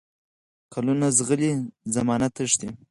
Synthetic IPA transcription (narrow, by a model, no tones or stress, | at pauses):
kʰalunazɣəlizamɑnat̪əʂt̪i